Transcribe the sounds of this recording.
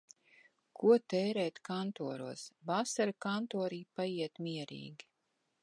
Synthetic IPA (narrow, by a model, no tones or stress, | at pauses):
kʰuɔt̪ɛːɾɛːt̪kant̪uɔɾuɔsbasaɾakant̪ɔːɾiːpajiɛt̪mʲiɛɾḭːɡʲi